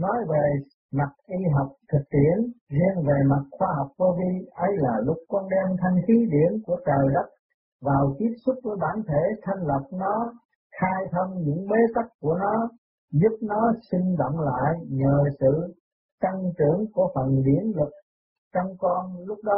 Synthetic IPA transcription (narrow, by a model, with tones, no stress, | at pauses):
nɔ˨˦jve˨˩ | ma˨˩t̚ʔi˧ɦa˨˩wk͡p̚t̪ʰɨ˨˩k̚t̪ḭ˧˨ənzɛ˧ənve˨˩ma˨˩t̚xwaː˧ɦa˨˩wk͡p̚ko˧vi˧ʔə˨˦jlaː˨˩lʊ˦˥k͡p̚kɔ˧nɗɛ˧mt̪ʰa˧jŋ̟xi˨˦ɗḭ˧˩ənku˧˩ət͡ɕəː˨˩jzə˦˥t̚ | vaː˨˩wt̪i˦˥ət̚su˦˥t̚vəː˨˦jɓaː˧˩nt̪ʰe˧˩t̪ʰa˧jŋ̟lə˨˩p̚nɔ˨˦ | xaː˧jt̪ʰə˧mɲɨ̰˧˥ŋɓe˨˦t̪a˦˥k̚ku˧˩ənɔ˨˦ | zʊ˦˥p̚nɔ˨˦si˧ŋ̟zɔ̰˧˨wŋ͡mla̰ː˧˨jɲəː˨˩sɨ̰˧˨ | t̪a˧ŋt͡ɕɨ˧˩˨əŋku˧˩əfə˨˩nɗḭ˧˩˨ənlɨ˨˩k̚ | t͡ɕɔ˧wŋ͡mkɔ˧nlʊ˦˥k͡p̚ɗɔ˨˦